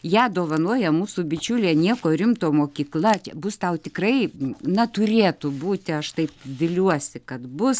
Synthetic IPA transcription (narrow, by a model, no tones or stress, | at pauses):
jæːd̪oːʋɐnoɔjɛmuːsubʲɪt͡ʃʲulʲeːnʲiɛkoːɾʲɪmt̪oːmoːkʲiːklˠɐt͡ʃʲɛbʊst̪ɐʊt̪ʲɪkrɐɪnɐt̪ʊɾʲeːt̪ʊbuːt̪ʲɪɐʃt̪ɐɪpʋʲɪlʲuɔsʲɪkɐt̪bʊs